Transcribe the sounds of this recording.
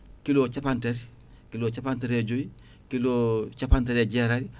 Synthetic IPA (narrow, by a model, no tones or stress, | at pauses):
kilot͡ʃapanteɾ | kiloːt͡ʃapanteɾeɟoi | kilot͡ʃapanteɾeɟeɾaɾi